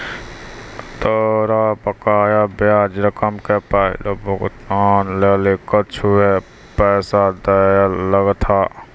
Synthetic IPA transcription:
t̪əɾapəkaːjabjaːd͡ʒɾəkəmkepəɦḭlobʱəɡt̪aːnleːlekət͡ʃʰuɦɛ | pɛːsad̪əjaləɡt̪ʰa

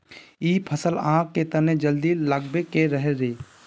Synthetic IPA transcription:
iːpʰəsəlãːkːet̪ɐned͡ʒəld̪ilɐɡ̚bekeɾəɦeɾeː

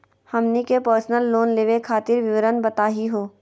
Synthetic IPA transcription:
hɐmnikepəːɾsnəlːoːnleːʋekʰaːt̪ɪɾʋɪʋəɾənbɐt̪aːɦiɦoː

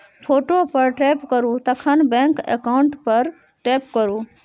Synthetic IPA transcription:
pʰoːʈopɐɾʈɾeːpkəɾut̪ɐkʰənbɛ̃ːŋkḛkaʊ̃ɳʈpɐɾ | ʈeːpkəɾuː

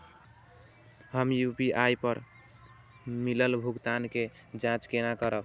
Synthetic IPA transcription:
həmjupiʔajpəɾ | miləlbʱuɡt̪anke | d͡ʒãt͡ʃkenakəɾək

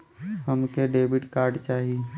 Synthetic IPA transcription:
həmkeɖeːbɪʈkaːɾɖt͡ʃaːɦii

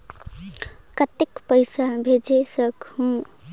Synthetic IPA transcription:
kət̪ekpəɪsabʱed͡ʒesəkhũ

